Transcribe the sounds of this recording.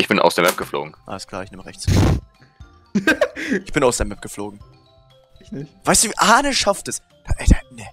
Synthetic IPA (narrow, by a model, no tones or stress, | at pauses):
ʔɪçb̥ɪnʔa̰ʊsd̥eɐmɛp̚ɡ̥əflo̰ːɡŋ̩ʔa̰ləskʰl̥aːɪçnɪːməʁɛ̰çt͡s | ʔɪçb̥ɪnaʊsd̥eːɐmɛp̚ɡ̥əfloːɡŋ̩ | ɪnɪçvaɪstd̥uːviʔaːnəʃaftɛs | d̥aʔɛtanɛ